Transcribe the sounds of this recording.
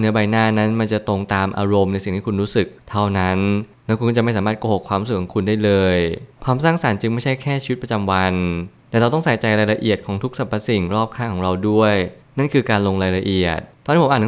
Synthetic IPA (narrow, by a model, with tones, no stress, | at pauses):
nɯ˩˦ɐba˧jnaː˥˩na˦˥nma˧nt͡ɕa˨˩t̪o˧ŋt̪aː˧mʔa̰ː˧ɾo˧mna˧jsi˨˩ŋt̪ʰiː˥kʰu˧nɾuː˦˥sɯ˨˩k̚t̪ʰa˥˩wna˦˥n | nɛː˦˥kʰu˧nʰkt͡ɕa˨˩m˥˩jsaː˩˦maː˥˩t̪̚koː˧hoː˨˩kʰwaː˧mɾu˦˥sɯ˨˩kʰːɔː˨˩˦ŋkʰu˧ndaː˥˩jlɤː˧jkʰwaː˧msaː˥˩ŋsa˩˦nt͡ɕɯ˧ŋma˥˩jt͡ɕʰa˥˩jkʰɛː˥˩t͡ɕʰiː˧i˦˥t̪̚pɾa˧t͡ɕa˧mwa˧n | t̪ɛ˨˩ɾa˧wt̪ɔ˥˩ŋsa˨˩˦jt͡ɕa˧jɾaː˧jɾa˧ʔi˨˩ət̪̚kʰɔː˩˦ŋt̪ʰu˦˥k̚sa˨˩pʰːa˧si˨˩ŋɾɔː˥˩p̚kʰaː˥˩kʰɔː˩˦ŋɾa˧wdu˥˩əj | na˥˩nkʰɯː˧kaː˧nlo˧ŋɾaː˧jɾa˧ʔi˨˩ət̪̚ːɔː˧niː˦˥paː˨˩n˧˦